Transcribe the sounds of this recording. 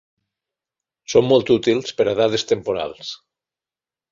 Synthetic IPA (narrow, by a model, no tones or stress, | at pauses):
somːɔlˠt̪ut̪ilˠspeɾaðaðest̪empoɾa̰lˠs